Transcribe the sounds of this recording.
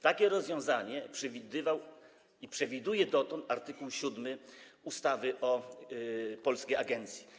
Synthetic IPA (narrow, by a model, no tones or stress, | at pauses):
t̪akʲɛɾɔzvʲjɔ̃w̃zaɲɛpʂɛvʲid̪ɘvaw | ipʂɛvʲid̪ujɛd̪ɔt̪ɔnt̪aɾt̪ɘkuwɕud̪mɘust̪avɘʔɔ | pɔlskʲejaɡɛnt̪sʲji̥